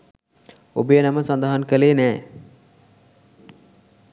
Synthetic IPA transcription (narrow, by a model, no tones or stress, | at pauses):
obəjənaməsand̪aɦankəleːnɛː